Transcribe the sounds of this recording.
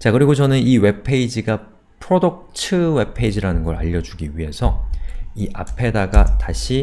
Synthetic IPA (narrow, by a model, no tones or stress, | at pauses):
t͡ɕakɯɾiɡot͡ɕʌnɯniwe̞pʰe̞id͡ʑiɡa | pʰɯɾodok̚t͡ɕʰɯwe̞pʰe̞id͡ʑiɾanɯnɡʌɾa̰ʎːʌd͡ʑuɡiɥiɦe̞sʰʌiʔapʰe̞daɡataɕʰi